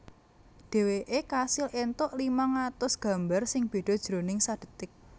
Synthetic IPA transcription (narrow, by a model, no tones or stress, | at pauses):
ɖ̥e̤weʔekasɪlʔent̪ʊʔlimaŋat̪ʊsɡ̥ä̤mbarsɪŋb̥e̤ɖ̥ɔ̤d̥ʒ̥ɾonɪŋsad̥ə̤t̪ɪk̚